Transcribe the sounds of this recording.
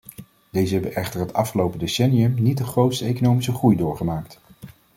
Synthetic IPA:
d̥ejzəɦɛbənʔɛχtəɹɦətɑfχəlowpədesɛniəmnit̚dəχrowtstəejkonowmisəχrujdʊːɹχəmaːkt

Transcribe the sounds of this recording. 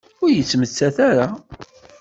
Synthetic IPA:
ʊɾjət͡sːmət͡sːæθaɾa

